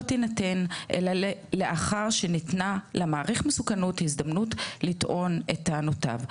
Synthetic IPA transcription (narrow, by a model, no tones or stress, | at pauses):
tinate̞nʔḛlale̞ʔaχaʁʃenitnalemaːʁiχmesukanuthizdamnutlitʔo̞netaːnota̰v